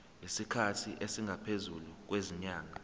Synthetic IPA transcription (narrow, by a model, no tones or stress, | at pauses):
lesikʰatʰiʔesiŋɡʱapʰezuluk̬weziɲaːŋa